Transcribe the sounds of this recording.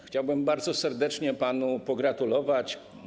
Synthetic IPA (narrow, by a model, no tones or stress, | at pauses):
xt͡ɕawbɘmbaɾd̪zɔsɛɾd̪ɛt͡ʂɲɛpanupɔɡɾat̪ulɔvat͡ɕ